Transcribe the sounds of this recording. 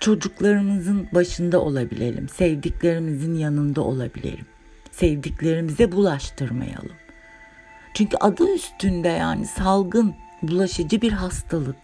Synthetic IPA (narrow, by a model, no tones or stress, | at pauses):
t͡ʃʰo̞d͡ʒuklˠaɾɯnɯzɯnbaʃɯnd̪aʔo̞lˠabilʲe̞̰lʲḭmsɛvd̪iclʲe̞ɾimizinjanɯnd̪aʔo̞lˠabilʲḛɾʲḭm | sɛvd̪iclʲe̞ɾimizɛbulˠaʃt̪ʰɯɾma̰ja̰lˠɯm | t͡ʃʰyɲcʰyʔad̪ɯnyst̪ʰynd̪ɛja̰ːnisalˠɡɯn | bulˠaʃɯd͡ʒɯbiɾɦast̪ʰalˠɯk̚